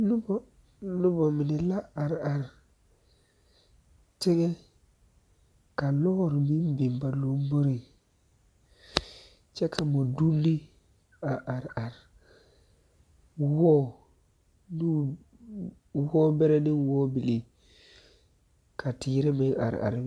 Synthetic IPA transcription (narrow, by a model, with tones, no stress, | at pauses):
nu˦bo˨ | nu˦bo˨mi˨ni˨la˦a˨ɾa˨ɾ | te˦ɡe˦ | ka˨lo˦ɾmi˦m˦bi˨mba˨lu˨mbo˦ɾi˨ | t͡ʃe˦kʰa˨mo˨du˦ndi˦ | a˨ʔa˨ɾa˨ɾ | wo˦ | ni˦ | wo˦be˦ɾe˦ni˦wo˦bi˨li˨ | ka˨ti˨˦ɾe˦me˨˦a̰˨ɾa̰˨ɾ